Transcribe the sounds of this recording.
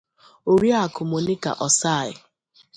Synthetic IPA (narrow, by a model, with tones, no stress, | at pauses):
o˨ɾi˦a˨kʊ˨mo˨ni˦ka̰˨ʔɔ˨sa˦˨ɪ̰˨